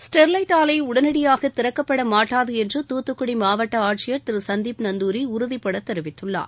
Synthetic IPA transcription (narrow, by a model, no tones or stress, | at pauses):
sʈɛɾlɐɪʈaːlɐɪʊɽɐnɐɽɪjaːɣɐt̪ːɪɾɐkːɐpːɐɽɐmaːʈːaːðɯɛndrɯt̪uːt̪ːɯkːʊɽimaːʋɐʈːɐaːʈt͡ʃɪjɐɾt̪ɪɾɯsɐnd̪iːpnɐnd̪uːɾiʊɾʊðipːɐɽɐt̪ːɛɾɪʋɪt̪ːɯɭːa̰ːɾ